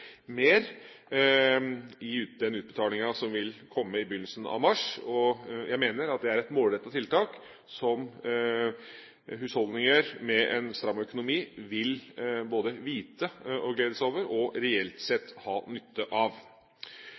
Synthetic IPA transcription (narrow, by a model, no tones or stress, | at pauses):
meːɾ | ɪʉːt̪d̪ɛnʉːt̪̚bət̪ʰɑːlɪŋɑsɔmʋɪlkʰɔmːəɪbʏnːəlsən̩ɑ̰ʋmɑʂɔjʔæɪmeːnəɾɑt̪̚d̪ɛæɾɛt̪moːlɾɛt̪ːɑt̪ʰɪlt̪ʰɑːk | sɔm | ɦʉːshɔld̪nɪŋəɾmɛʔɛnst̪ɾɑmœkʊnʊmiːʋɪlboːd̪əʋiːt̪əɔɡleːd̪əsoːʋəɾɔɾɛɛlt̪sɛt̪ːhɑːnʏt̪ːəʔɑʋ